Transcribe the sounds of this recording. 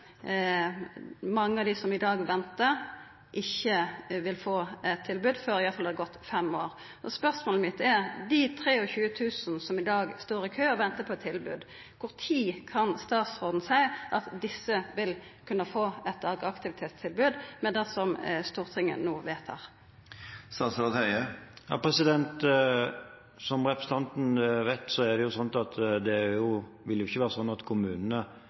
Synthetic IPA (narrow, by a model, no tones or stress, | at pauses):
mɑŋːəɑʋd̪ɪsɔmɪd̪ɑːɡʋɛnt̪əʁ | ʔɪçːəʋɪlfoːɛt̪ʰːɪlbʉːd̪føɾɪʋæɾfɑlɑd̪əɡɔt̪ːfɛmoːʁ | ʔɔspœʁsmoːləmɪt̪ːɛʁd̪ɪt̪ʰɾeːɔçʉːət̪ʰʉːsnsɔmɪd̪ɑːɡst̪oːʁɪkʰøːɔʋɛnt̪əpʰɔɛt̪ʰːɪlbʉ̰ːd̪ | kʰʊʁt̪ʰiːkʰɑnst̪ɑːt̪sʁoːd̪n̩sæɪʔɑt̪d̪ɪsːəʋɪlkʰʉnːəfoːɛt̪ɑːɡɑkt̪ɪʋɪt̪ʰeːt̪st̪ʰɪlbʉːd̪mɛnd̪ɛsɔmst̪uːʁt̪ʰɪŋə̰nːuːʋeːt̪hæ̰ʁ | st̪ɑːsɔt̪œəjɑ̰ːpʰʁɛsɪd̪ɛnt̪ | sɔmʁɛpɾəsət̪ɑnt̪n̩ʋɛɪt̪sɔɛd̪ɛjʊsɔnt̪ɑt̪d̪ɛjʊʋɪlːjʊɪçːəʋæːʁəsɔnːɑt̪kʰʊmʉːnənə